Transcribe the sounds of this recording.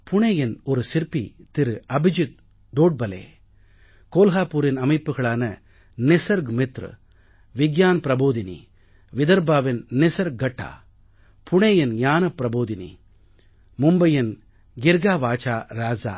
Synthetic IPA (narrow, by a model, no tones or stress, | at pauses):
pʊɳeːjɪnɔɾɯsɪɾpit̪ɪɾɯɐbɪd͡ʒɪt̪̚ | d̪oːɖ̚bɐlḛː | koːlɣaːpːuːɾɪnɐmɐɪpːɯɣɐɭaːnɐ | nɪsɐɾɡmɪt̪ɾɨ̰ | ʋɪɡjaːnpɪɾɐboːðɪnḭ | ʋɪðɐɾbaːʋɪnnɪsɐɾɡɐʈːa̰ː | pʰʊɳeːjɪnɲjaːnɐpɪɾɐboːðɪnḭ | mʊmbɐjɪn | ɡɪɾɡaːʋaːt͡ʃaːɾaːd͡ʒa̰ː